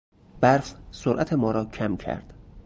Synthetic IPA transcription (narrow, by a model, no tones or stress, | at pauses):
b̥æɾfsoɾʔæt̪ʰe̞mɒːɾɒːcʰæmcʰæ̰ɾd̪̥